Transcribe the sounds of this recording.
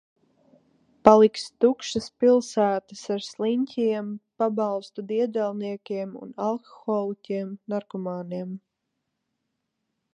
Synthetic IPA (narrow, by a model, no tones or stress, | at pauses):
palˠikst̪ukʃɐspilˠsæːt̪əsaɾslˠiɲʲcʰʲiɛmpabɑlˠst̪ud̪iɛd̪ɛlˠniɛkʲiɛmṵnalˠkɔ̥xɔːlˠikʲiɛmnaɾkɔmaːniɛm